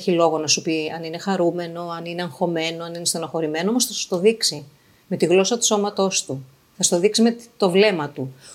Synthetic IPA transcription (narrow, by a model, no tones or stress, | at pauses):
çilo̞ɣo̞nɐsupiɐnine̞xɐɾume̞no̞ɐnine̞ɐŋxo̞me̞no̞ɐninest̪onɐxo̞ɾime̞noomosθɐsu̥t̪o̞ðiksi | me̞t̪iɣlo̞sɐt̪u̥so̞mɐt̪o̞st̪u | θɐsu̥t̪oðiksimet̪o̞vle̞mɐt̪u